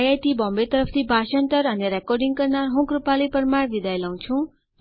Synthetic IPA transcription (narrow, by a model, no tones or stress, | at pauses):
jajt̪ibʌmbet̪ʌɾʌpʰt̪ʰibʱasʌnt̪ʌɾʌniɾekɔrɖiŋkʌrnaɦũkrupalipʌɾmaɽbid̪ajlaw̃t͡sʰuw̃